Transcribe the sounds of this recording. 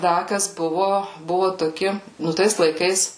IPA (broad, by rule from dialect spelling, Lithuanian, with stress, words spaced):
ˈdɐ ˈkɐs ˈbʊʋʊ ˈbʊʋʊ toːˈkʲɪ ˈnʊ ˈtɐɪs lˠɐɪˈkɐɪs